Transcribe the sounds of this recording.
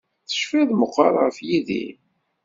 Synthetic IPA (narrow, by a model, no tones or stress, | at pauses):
θə̥ʃfæðməqːɑ̰ɾˤʁəfjiðḭ